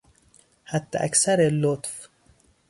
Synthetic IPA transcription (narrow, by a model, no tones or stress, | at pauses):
hat̪ːaʔa̰ksaɾelot̪f